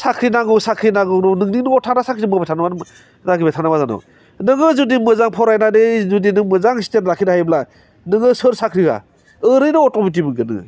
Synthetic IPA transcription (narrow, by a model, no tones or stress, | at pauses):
sakʰɾinaŋɯsakʰɾinaɡɯɾɔnɯŋninɯɔtʰanasakʰɾizɯmɯbetʰanma | naɡɯbetʰanamazanɔ̰ | nɯŋɯzudimɯzaŋpʰɔɾajnadɯzudinɯmɯzaŋsi̥tenɾakʰinahajbla | nɯŋɯsɯɾsakʰɾiɡa̰ | ɯɾɯjnɯɔtɔmit̬ibɯɡɯnɯ̰